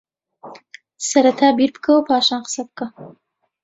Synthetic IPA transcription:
saɾat̪ʰabiɾpkawpɑʃɑnqsap̚ka

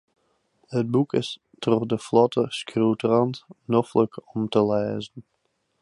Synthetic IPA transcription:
hət̚bukɪs | tɔrdəflɔtəskruːtrɑntnɔfləkɔmtəlɛːzən

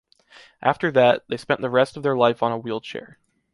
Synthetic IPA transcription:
ʔæftə˞ðæt̪̚ðeɪspɛ̃nðɨɹɛstʌvðə˞laɪfn̩əwilˠd̚t͡ʃʰɛ̰ɹ

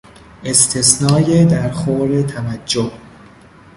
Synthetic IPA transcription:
ʔe̞st̪ʰe̞snɒːjed̪æɾxoːɾet̪ʰæmæd͡ʒːoh

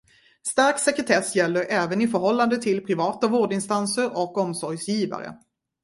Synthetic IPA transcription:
st̪aɾksɛkɾɛt̪ʰɛsːjɛlːəɾɛːvənɪfœɾɦɔlːand̪ət̪ʰɪlpʰɾɪvɑːt̪avoːɖɪnst̪ansəɾɔkɔmsɔɾjsjiːva̰ɾə̰

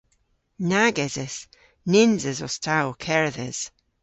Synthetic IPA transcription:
naɡɛzɛs | nɪnzɛzɔstʰawkʰɛɹðɛz̥

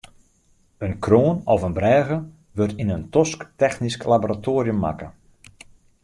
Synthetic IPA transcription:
ənkroːənɔfənbrɛːɣə | ʋørtinəntɔsktɛxnisklaboɾatoːɾjəmːa̰kə

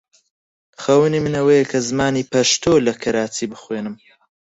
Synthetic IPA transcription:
χɐwɨnimɨnɐwɐjekʰɐzɨmaːniːpʰɐʃt̪ʰoːlɐkʰɐɾaːt͡sʰiːbɨxwenɨm

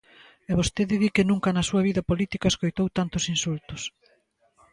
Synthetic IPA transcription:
ɛβost̪eðɪðikɪnũŋkɐnɐsuɐβ̞iðɐpolit̪ikaeskojt̪owt̪ant̪ʊsinsult̪ʊs

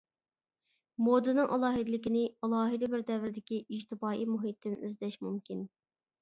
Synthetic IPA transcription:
mod̪ɨnɨŋʔɑlˠɑːɦɨd̪ɪlɪkʲinɪɑlˠɑːɦɨd̪ɨbɪɾd̪ɛvɾɪd̪ɪkʲiʔid͡ʒt̪ʰɨbɑːʔimuɦit̪ːɪnyzd̪ɛʃmumkʲin

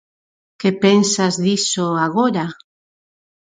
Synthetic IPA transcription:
kepensazðisoaɣoɾa

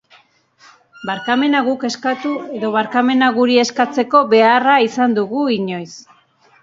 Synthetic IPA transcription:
baɾkame̞naɣuke̞skat̪ue̞ðo̞βaɾkame̞naɣuɾie̞skat͡se̞ko̞βe̞araisand̪uɣuiɲo̞js

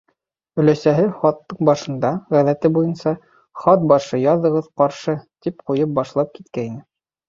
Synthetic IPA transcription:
ɵ̆læsæɦɘχɑt̪ːɤɴbɑʃɤ̆nd̪ɑʁæðæt̪ɘbujɤnsɑ | χɑt̪̚bɑɾʃɤjɑðːɤ̆ʁɤðqɑɾʃɤt̪ipqujɤp̚bɑʃlˠɑp̚ki̥t̪kæinɘ

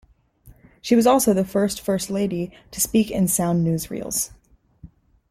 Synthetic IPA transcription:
ʃiwʌzɔlˠsoʊðɨfɜ˞stfɜ˞stˡleɪɾi | ɾʰɨspikɨ̰̃nsãʊ̃nːʉzɹḭlˠz̥

